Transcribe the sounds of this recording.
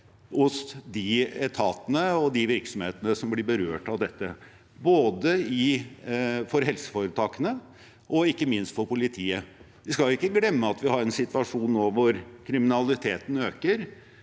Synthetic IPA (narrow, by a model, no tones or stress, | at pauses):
ʊsd̪ɪɛt̪ʰɑːt̪ənəɔd̪ɪʋɪɾksɔmheːt̪ənəsɔmblɪɾbəɾøːʈɑʋd̪ɛt̪ːə | boːd̪əɪ | fɔɾhɛlsə̥foːɾət̪ʰɑːkənə | ʔɔɪkːəmɪnst̪fɔɾpʊlɪt̪ʰiːə | ʋɪskɑljʊɪkːəɡlɛmːəɑt̪ʋɪhɑɾɛnsɪt̪ʋɑʂuːnːoːʋɔɾkʰɾɪmɪnɑlɪt̪ʰeːt̪n̩øːkəɾ